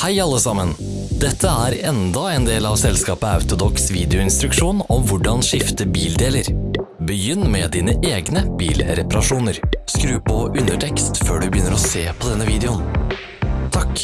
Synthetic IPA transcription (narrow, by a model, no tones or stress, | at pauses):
hæɪɑlːəsɑmən | d̪ɛt̪ʰːəæːɾɛnd̪ɑɛːnd̪eːlɑːʋsɛlskɑːpəɑ̰ʉt̪ʊd̪ɔksʋiːd̪ɛʊɪnst̪ɾʉkʂuːnɔmʋʊɖɑnʂɪft̪əbiːld̪eːləɾbəjʏnːmɛd̪iːnəʔeːɡnəb̥iːlɾɛpɑɾɑʂuːnəɾskɾʉːpɔʉnəʈʰɛkst̪føːɖʉbəjʏnːəɾɔseːpʰɔd̪ɛnːəʋiːd̪ɛʊn | t̪ʰɑk